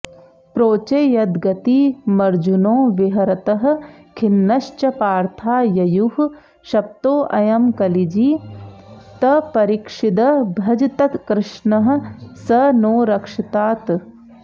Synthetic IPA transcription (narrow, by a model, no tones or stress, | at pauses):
pɾoːt͡ʃɐjɐd̪ɡɐt̪imɐɾd͡ʒunõːʋiɦɐɾɐt̪ɐɦɐ̆kʰinːɐʃt͡ʃɐpaːɾt̪ʰaːjɐjuh | ʃɐp̚t̪oːʔɐjɐmkɐlid͡ʒiː | t̪ɐpɐɾikʂid̪ɐbʱɐd͡ʒt̪ɐt̪kɾɪʃɳɐɦɐ̆sɐnoːɾɐkʂit̪aːt̪